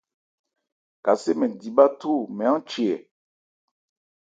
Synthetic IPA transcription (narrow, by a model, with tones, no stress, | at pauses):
ka˨se˦mɛ̃˨di˨ɓa˦tu˦˨mɛ˨ã˦t͡ʃi˨ɛ˨